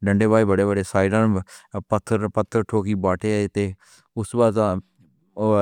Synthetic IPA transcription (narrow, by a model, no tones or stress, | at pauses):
ɖəɳɖeːbaːiːbəɽeːbəɖeːsaːɪɖə̃npət̪ʰːəɾpət̪ʰːəɾʈʰoːkiːbaːʈeːt̪eː | ʊsbaːzãː